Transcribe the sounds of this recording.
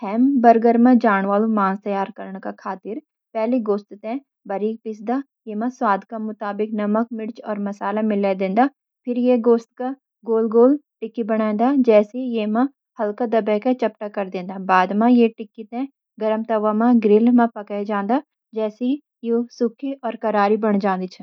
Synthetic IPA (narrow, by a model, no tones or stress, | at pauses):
ɦɛːmbɐɾɡəɾmãd͡ʒaːɽʋaːlũmãːnzt̪ɐjaːɾkɐɾɳkakʰaːt̪ɪɾ | pɛːliɡoːst̪t̪ɛ̃ | bɐɾiːk̚pɪsd̪a | jemãswaːd̪kamʊt̪aːbɪknɐmək̚mɪɽt͡ʃɔːɾmɐsaːlamɪlad̪ẽːnd̪aː | pʰɪɾjeɡoːst̪̚ka | ɡoːlɡoːlʈɪkːibɐɽ̃ãːnd̪ad͡ʒɛːsijemã | hɐlkad̪ɐbɛkat͡ʃɐpʈakɐɾd̪ẽːn̆d̪abaːd̪mãjeʈɪkːit̪ɛ̃ | ɡɐɾəmt̪ɐʋamãɡɾɪlmãpɐkaed͡ʒãːnd̪a | d͡ʒɛːsi | josʊkʰiʔɔːɾkɐɾaːɾibɐɽ̃d͡ʒãːnd̪it͡ʃʰɛ